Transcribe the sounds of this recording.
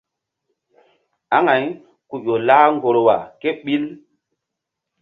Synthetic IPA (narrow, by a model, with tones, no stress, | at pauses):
a˦ŋa˨j | ku˨jo˨laː˦ŋɡo˨ɾo˨wa̰˨ke˦ɓi˦l